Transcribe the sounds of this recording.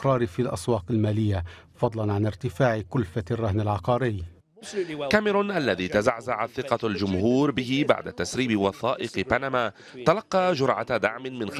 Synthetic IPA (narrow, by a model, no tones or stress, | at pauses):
ɾˤɑːɾfilʔɑ̰swɑːqalmaːlɪjːafɑd̪ˤlɑnʕanɪɾt̪ɪfaːʕɪkʊlfarˤːɑhnalʕɑqɑːɾɪj | kamɪɾʊnʔalːaðiːt̪azaʕzaʕaθɪqɑld͡ʒʊmhuːɾbɪɦɪba̰ʕd̪a̰t̪asɾiːbɪwɑθɑːʔɪqpanamaː | t̪alɑqːɑːd͡ʒʊɾʕa̰d̪aʕmɪnmɪnx